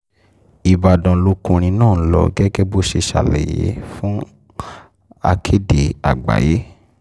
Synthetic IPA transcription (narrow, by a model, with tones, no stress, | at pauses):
i˨ba˨dã˨˦lo˨˦kũ˧ɾ̃ĩ˧nãː˦˨˦lɔ̰˨ɡɛ˦ɡɛ˦bo˦ʃe˧ʃa̰˨lɛ̰˨jḛ˨˦fũ˦ | a̰˧kʰe˦de˨a̰˨ɡ͡ba̰˨je˨˦